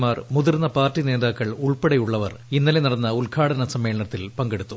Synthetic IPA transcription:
maːrmuðirnːɐpaːrtːine̞ːðaːkːɐɭuɭpeɽɐjuɭːɐʋɐrinːɐlenɐɽɐnːɐulkʰaːɽɐnɐsɐmːe̞ːɭɐnɐt̪ːilpɐŋɡeɽut̪ːu

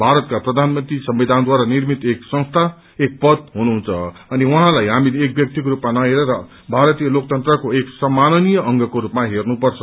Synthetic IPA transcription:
bʱaɾʌt̪kaprʌd̪ʱanmʌnt̪risʌmbid̪ʱand̪waɾanirmit̪eksʌ̃nst̪ʰa | ek̚pʌd̪̚ɦunuɦũnt͡sʰʌʌniwʌɦãlajɦaminek̚bjʌk̚t̪ikoɾupmanʌeɾʌɾʌ | bʱaɾʌt̪ijʌlok̚t̪ʌnt̪rʌkoeksʌmːanʌnijʌʌŋɡʌkoɾupmaɦernupʌrt͡sʰʌ

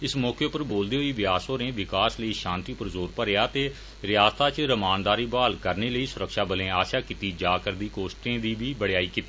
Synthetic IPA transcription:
ɪsmɔːkeːpəɾboːld̪eːɦoiːʋɪjaːsoːnẽːʋɪkaːsləiːʃãːnt̪iːpəɾzoːɾpəɾejaːt̪eː | ɾɪjaːst̪ʰaːt͡ʃɾəmaːnd̪aːɾiːbaːlkəɾneːləiːsʊɾəkʃaːbəlẽːaːʃjaːkit̪iːd͡ʒaːkəɾd̪iːkoːsʈẽːd̪iːbiːbəɽejaːiːkit̪iː

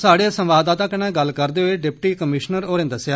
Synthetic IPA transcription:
saːɽeasə̃mʋaːd̪aːt̪ãːkənãːɡəlːkəɾd̪eːɦoeːɖɪp̚ʈiːkəmɪʃnəɾoːɾẽnd̪əsɪjaː

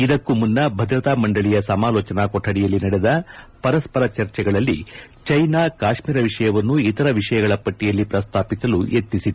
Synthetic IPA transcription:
id̪ɐkːumunːɐbʱɐd̪ɾɐt̪aːmɐɳɖɐɭijɐsɐmaːlɔːt͡ʃɐnakɔʈʰːɐɽijɐlːinɐɽɛd̪ɐpɐɾɐspɐɾɐt͡ʃɐɾt͡ʃɛɡɐɭɐlːḭt͡ʃɐjnaːkaːʃmiːɾɐʋiʂɐjɐʋɐnːuit̪ɐɾɐʋiʂɐjɐɡɐɭɐpɐʈːijɐlːipɾɐst̪ʰaːpisɐlujʔet̪nisit̪u

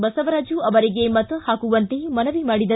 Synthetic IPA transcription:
bɐsɐʋɐɾaːd͡ʒuɐʋɐɾiɡemɐt̪ɐhaːkuʋɐnt̪emɐnɐʋimaːɽid̪ɐ

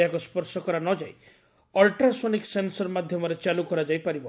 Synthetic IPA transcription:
akɔspɔɾsɔkɔɾanɔd͡ʒaj | ɔlʈɾasoniksensɔɾmad̪ʱjɔmɔɾet͡ʃalukɔɾad͡ʒajpaɾibɔ

